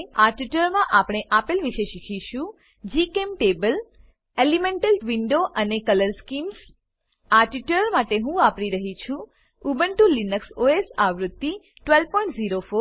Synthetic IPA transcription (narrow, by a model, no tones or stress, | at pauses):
aʈiʈəɾmãʔapɽ̃eʔapelʋiʃeʃikʰiʃũ | d͡ʒikemʈebəl | elimeɳʈəlʋiɳɖoʔənekələɾskims | aʈiʈləɾmaʈeɦũapɽiɾəɦit͡ʃʰũ | ubəɳʈulinəksoesaʋɾʊd̪ːi | ʈʋelpɔ̃ĩɳʈziɾofo